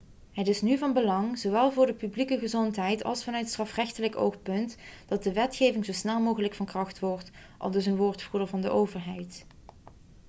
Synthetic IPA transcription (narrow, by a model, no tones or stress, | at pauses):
ɦətɪsnyvɑnbəlɑŋzowʋɛlˠvʊːɹdəpyblikəɣəzɔntɦɛjtʰɑ̰lˠsfɑnœɥtstrɑfrɛxtələko̰wxpɵntd̥ɑt̚dəʋɛtxejvɪŋzosnɛlˠmowχələkfɑnkrɑxtʋɔɹt | ʔɑ̰lˠdɵs̬ənʋʊːɹtfudəɹvɑndəʔowvəɹɦɛjt